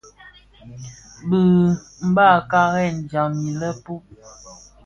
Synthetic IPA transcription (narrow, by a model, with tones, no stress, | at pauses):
bə˨ | m̩˨˦ba˦˨ka˦ɣɛ˦˨n˨d͡ʒa˨ŋmi˨lə˦pu˦